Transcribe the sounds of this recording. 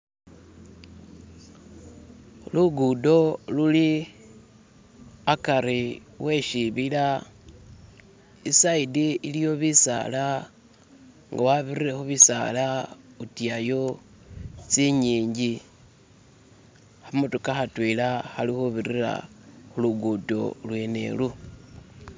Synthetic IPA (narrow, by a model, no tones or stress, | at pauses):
luɡudo̞luli | akaɾi | wʔe̞ʃiβila | isaidiilijo̞βisa̰la | ŋɡawaβiriɾexuβisa̰lautiajo | t͡siɲiːɲɟi | hamutukaxatwilaxalixuβirira̰xuluɡudo̞̰lwene̞̰lu